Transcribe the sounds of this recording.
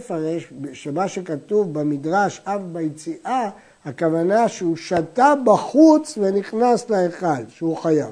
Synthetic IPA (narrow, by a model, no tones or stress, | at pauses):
faʁeʃbʃemaʃekatuvbemidʁaʃafbajet͡siʔa | hakavanaʃeuʃatabaχut͡sveniχnasleeχalʃeuχajav